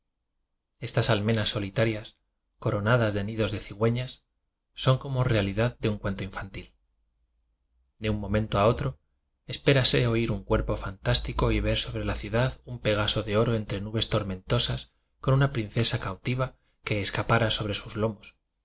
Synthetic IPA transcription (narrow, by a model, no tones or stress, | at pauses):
e̞st̪asalme̞nasːo̞lit̪aɾjas | ko̞ɾo̞naðazðe̞niðo̞zðe̞θiɣwe̞ɲasː | o̞ŋko̞mo̞realiðaðd̪e̞uŋkwe̞nt̪oĩɱfant̪il | d̪eumːõ̞mẽnt̪oao̞t̪ɾo̞ | e̞spe̞ɾase̞o̞iɾuŋkwe̞ɾpo̞fant̪ast̪iko̞iβ̞e̞ɾso̞βɾe̞laθjuðaðumpe̞ɣ̞aso̞ðe̞o̞ɾo̞e̞nt̪ɾe̞nuβe̞st̪o̞ɾmẽ̞nt̪o̞sas | konunapɾin̟θe̞sakawt̪iβ̞a | ke̞ːskapaɾaso̞βɾe̞suzlo̞mos